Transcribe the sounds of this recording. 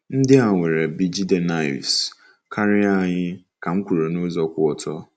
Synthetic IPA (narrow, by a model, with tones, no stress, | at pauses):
n̩˦dɪ˦a˨ŋʷe˨ɾe˨bi˨d͡ʒi˦de˨na˦jṵ˨s | kʰa˦ɾɪ˦a˦˨ɲɪ˦ka˨ŋ̩˦kʷu˨ɾo˨no˦zɔ˦kʷʊ˦ɔ˨tɔ˦